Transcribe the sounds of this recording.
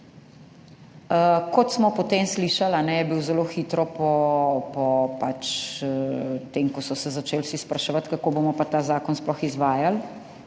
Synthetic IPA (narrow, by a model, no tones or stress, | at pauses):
əkɔt̪smɔpɔt̪eːmsliːʃalanɛjɛbiwzɛloxiːt̪ɾɔpɔpɔpat͡ʃ | t̪eŋkɔsɔsɛzat͡ʃeːlsispɾɐʃɛʋat̪kakobomɔpat̪aːzaːkɔnsplɔxizʋaːjal